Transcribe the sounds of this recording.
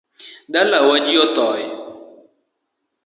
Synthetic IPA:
dalawad͡ʒiɔt̪ɔɪ

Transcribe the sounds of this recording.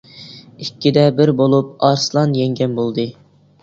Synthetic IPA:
ikʲːid̪ɛbɪɾbolˠupɑɾslˠɑnjɛŋɡʲɛnbolˠd̪ɨ

